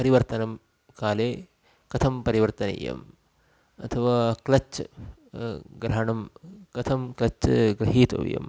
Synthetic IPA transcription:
pɐɾiʋɐɾt̪ɐnɐm | kaːleː | kɐt̪ʰɐmpɐɾiʋɐɾt̪ɐnɐ̰jɐ̰m | ɐt̪ʰɐʋaːklɐt͡ʃ | ɡɾɐɦɐɳɐmkɐt̪ʰɐmklɐt͡ʃɡɾɐɦiːt̪ɐ̰ʋjɐ̰m

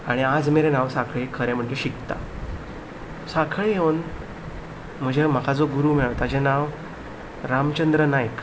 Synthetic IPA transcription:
aɽ̃iad͡zmeɾenaʋsakʰɭekʰːəɾɛ̃m̤əʈleɕikt̪a̰ | sakʰɭejewn | m̤əd͡ʑʱem̤əkʰad͡zoɡuɾuːmeɭt̪ad͡ʑenaʋ | ɾamt͡ɕənd̪ɾənajk

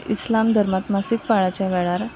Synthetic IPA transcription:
ʔislamd̪ʱəɾmat̪masikpaɭat͡ɕjaʋɛɭaɾ

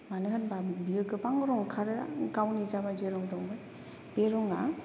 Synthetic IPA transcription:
manɯɦɯnbabiɯkɯpaŋɔɾɔŋkʰaɾɯa̰ɡawnizabad͡ʒeɾɔŋdɔŋbɯj | b̥eɾɔŋa

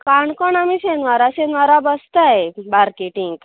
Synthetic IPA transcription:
kkaɳkɔɳamiɕenʋaɾaɕenʋaɾabəst̪ajbaɾkeʈiŋɡ

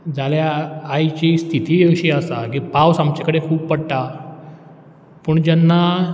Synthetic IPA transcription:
d͡zʱaljaːjt͡ɕist̪ʰit̪iːəɕiːəsakipawsamt͡ɕakəɽekʰuːppəɽʈa | pəːɳd͡ʑanːa

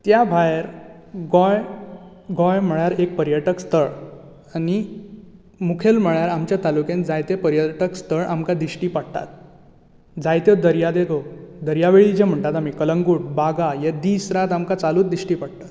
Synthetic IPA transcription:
t̪jabʱajeɾ | ɡɔj | ɡɔjm̤əɭjaɾek̚pəɾjəʈəkst̪ʰəɭ | ani | mukʰelm̤əɭjaɾamt͡ɕjat̪alukẽnd͡zajt̪epəɾjəʈəkst̪ʰəɭʔamkad̪iɕʈiːpaɽt̪a̰t̪̚ | d͡zajt̪jed̪əɾjad̪et̪od̪əɾjaʋeɭid͡ʑem̤əɳt̪at̪amiːkələŋɡuːʈ̚baɡajed̪iːsɾat̪amkat͡saluːd̪iʂʈiːpaɽ̚t̪at̪

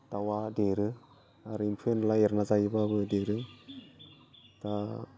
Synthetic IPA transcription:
tawadeɾɯ | aɾɯimpʰenlaeɾnazajbabɯdeɾɯŋ | ta

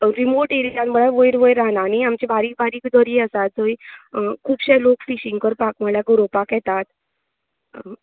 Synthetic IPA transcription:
ɾimoʈeɾianməɭaʋəjɾʋəjɾːaɦnaːniamt͡ɕebaɾiːk̚baɾiːkd̪ʱəɾiəsat̪̚d͡zoikʰuːbɕelokfiɕiŋɡkəɾpakməɭjaɡoɾopakjɛt̪at̪

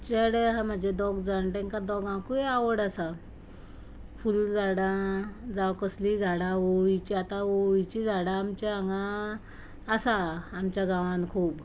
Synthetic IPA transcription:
t͡ɕeɽeɦam̤ad͡ʑed̪ɔɡd͡zaɳʈẽŋkad̪ɔɡãkueaʋəɽasa | fuld͡zaɽãd͡zawkəslid͡zʱaɽaoɭit͡ɕiat̪aoɭit͡ɕid͡zʱaɽaːmt͡ɕaaŋɡaː | saːmt͡ɕjaɡãʋãnkʰuːb

